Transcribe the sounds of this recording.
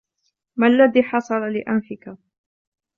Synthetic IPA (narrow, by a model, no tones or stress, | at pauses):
malːaðiːħɑsˤɑlalɪʔanfɪka